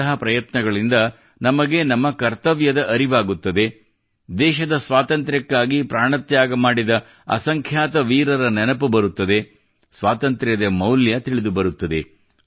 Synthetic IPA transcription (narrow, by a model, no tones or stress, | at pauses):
ɐɦɐpɾɐjɐt̪nɐɡɐɭind̪ɐ | nɐmɐɡenɐmːɐkɐɾt̪ɐʋjɐd̪ɐʔɐɾiʋaːɡut̪ːɐd̪e̞ | d̪ɛːʃɐd̪ɐsʋaːt̪ɐnt̪ɾjɐkːaːɡipɾaːɳɐt̪jaːɡɐmaːɽid̪ɐ | ɐ̰sɐŋkʰjaːt̪ɐʋiːɾɐɾɐnɛnɐpubɐɾut̪ːɐd̪e̞ | sʋaːt̪ɐnt̪ɾjɐd̪ɐmɐwljɐt̪iɭid̪ubɐɾut̪ːɐd̪e̞